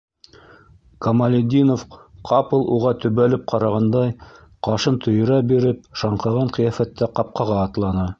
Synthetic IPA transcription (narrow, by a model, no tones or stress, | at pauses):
kɐmalʲed̪ʲinofqʰɑpɤ̆lˠʔuʁɑt̪ɵ̆βælɘp̚qʰɑɾɑʁɑnd̪ɑj | qɑʃɤnt̪ʰɵ̆jɤ̆ɾæbiɾɘp̚ʃɑɴqɤ̆ʁɑɴqɤ̆jɑfæt̪ːæqɑp̚qɑʁɑːt̪lˠɑnɑ